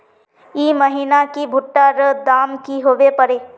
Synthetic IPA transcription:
iːməɦiːnakibʱʊʈːaɾəd̪aːmkiɦoːʋepəɾeː

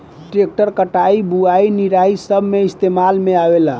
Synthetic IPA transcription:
ʈek̚ʈəɾkəʈaibuainiɾaisəbʱmeist̪emalmeabela

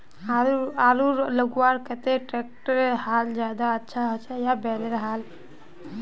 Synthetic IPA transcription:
aaɾuɾləɡuaɾkət̪eʈɾek̚ʈəɾhald͡ʒjad̪aətːʃʰaɦot͡ʃɛjabɛlɾɦal

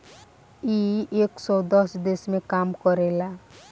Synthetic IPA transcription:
ieksɔd̪ɔsd̪esmẽkamkɔɾela

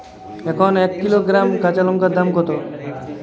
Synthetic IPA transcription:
ekʰɔnekːiloɡɾamkat͡ʃalɔŋkad̪amkɔt̪o

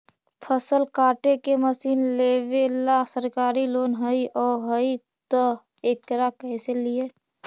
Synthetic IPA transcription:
pʰəsəlkaːʈekeməsiːnleʋelasəɾkaːɾiloːnɦəiɔɦəi | t̪ə | ekɾakɛjselije

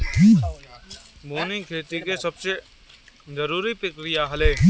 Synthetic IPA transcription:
boːnĩkʰeːt̪ikesɐbse | zəɾuːɾipɾəkɾɪjaɦɐleː

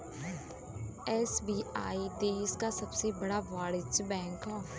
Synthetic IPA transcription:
ɛːsbiːʔaːiːd̪eːskaːsəbseːbəɽaːʋaːɽɪt͡ʃbɛ̃ːŋkɦaː

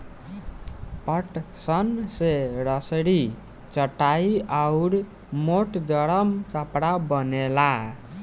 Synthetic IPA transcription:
pəʈsənseɾəsɽi | t͡ʃəʈːaiawɾ | moʈd̪əɽəmkəpɽabənela

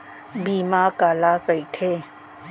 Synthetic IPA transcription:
biːmaːkaːlakəiʈʰeː

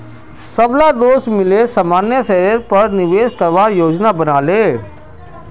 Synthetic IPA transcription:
səblad̪oːsmɪlesəmaːnjəsɛːɾəɾpɐɾnɪʋeːskəɾʋaːɾjoːd͡ʒnabənaːleː

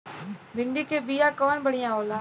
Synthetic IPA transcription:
bɪɳɖiːkeːbiːaːkɔːnbəɽɪjãːoːlãː

